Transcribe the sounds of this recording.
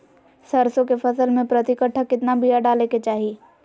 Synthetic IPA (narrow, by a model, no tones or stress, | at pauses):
sɐɾsõkefɐsəlmẽpɾɐt̪ɪkəʈʰːakɪt̪nabʱijaɖaːleket͡ʃaːɦi